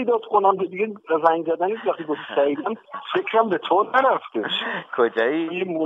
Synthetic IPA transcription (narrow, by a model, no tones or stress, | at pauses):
ejd̪ɒːd̪̥kʰonæmtʰod̪iɡʲeæzæŋɡzæd̪æniːsvæχt̪ʰiːɡofsæɾid̪æmfe̞kʰɾæmbet̪ʰonæɾæft̪ekʰod͡ʒɒːjiemo